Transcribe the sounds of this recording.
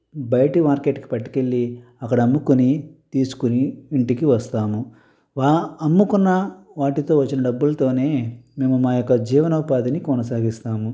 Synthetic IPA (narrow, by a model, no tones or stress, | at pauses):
bɐjɐʈimaːɾkeʈki̥pɐʈːi̥ke̞ɭːiɐkːɐɽɐɐmːukunit̪iːsu̥kuniːɳʈikiʋɐst̪aːmu | ʋaːmːukunːɐʋaːʈit̪o̞ːʋɐt͡ʃːinɐɖɐbːulɐt̪o̞ːne̞ːme̞ːmumaːjɔkːɐd͡ʒiːʋɐnɐupaːd̪inikɔnɐsaːɡist̪aːmu